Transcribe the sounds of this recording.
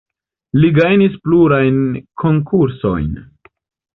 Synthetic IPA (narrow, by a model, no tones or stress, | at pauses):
liɡajnispluɾajnkʰo̞ŋkʰuɾso̞̰jn